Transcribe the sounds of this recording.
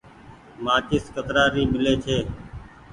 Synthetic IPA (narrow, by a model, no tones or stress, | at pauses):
mãːkɪskət̪ɾaːɾiːmɪleːt͡ʃʰeː